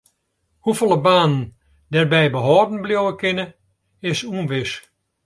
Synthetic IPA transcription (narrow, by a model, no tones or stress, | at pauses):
hufolˠəbaːnn | dɛrbɛjbəɦɔːdn̩bljowəkɪnə | ɪsunʋɪs